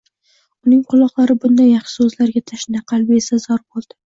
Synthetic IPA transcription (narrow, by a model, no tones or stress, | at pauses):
ʊnɪŋqʰʊlˠɒqlˠaɾɪbʊnd̪ajɑχʃɪ̥sɵzlaɾɡʲat̪ʰaʃɪnd̪aqʰɑlˠbɪesazɒɾbolˠd̪ɪ